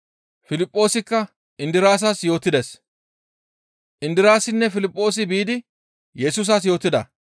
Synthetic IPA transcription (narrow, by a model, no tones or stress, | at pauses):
fɪlɪpʼːo̞ːsɪkːɐ | ʔɪnd̪ɪɾaːs̬aːsjo̞ːt̪ːɪd̪es | ʔɪnd̪ɪɾaːsɪnːɛfɪlɪpʼːo̞ːs̬ɪbiːd̪ɪ | jɛsuːs̬aːs̬jo̞ːt̪ːɪd̪ɐ̰